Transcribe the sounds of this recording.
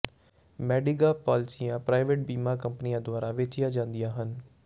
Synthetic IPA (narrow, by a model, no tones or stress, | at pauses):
mɛːɖɪɡaːpɔːlɪsijãːpɾaːɪʋeːʈ̚biːmaːkəmpənijãːd̪ʊaːɾaːʋeːt͡ʃɪjaːd͡ʒãːnd̪ijãːɦən